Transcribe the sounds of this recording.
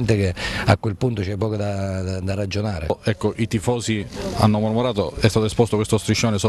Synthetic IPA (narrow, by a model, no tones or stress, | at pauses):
nt̪ek̟eakːwelpunt̪ot͡ʃɛpːɔːkod̪ad̪arad͡ʒonaːɾḛɛkːoʔit̪ifɔːsia̰nːomormoɾaːt̪oɛst̪aːt̪oespɔst̪okwest̪ost̪ɾiʃːoːneso